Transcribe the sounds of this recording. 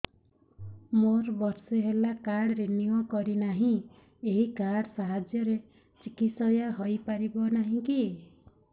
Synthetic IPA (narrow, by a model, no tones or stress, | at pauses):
moɾbɔɾseɦelakaɽɾeniokɔɾinaɦĩ | eɦikaɽsaɦad͡ʒjʌɾe | t͡ʃikit̪sɔjaɦojpaɾibɔnaɦĩki